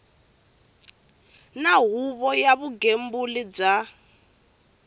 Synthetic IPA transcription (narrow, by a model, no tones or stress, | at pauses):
naɦuβɔjaβuɡembulib͡ʐa